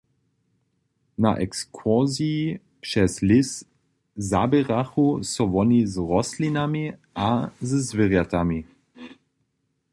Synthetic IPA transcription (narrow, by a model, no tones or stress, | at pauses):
na̰ʔɛkskʰɔziː | pʃɛslɪs | zabɛʁaxusɔʋɔnizʁɔslinamiʔazəzvɪʁjat̪ami